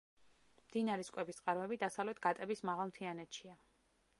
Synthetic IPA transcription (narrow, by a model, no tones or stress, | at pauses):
md̪̥inaɾɛskʼwɛbistqʼaɾmɛbid̪asavlɛt̪ʰɡ̥at̪ʼɛbismaʁalˠmt̪ʰianɛt̪ʃia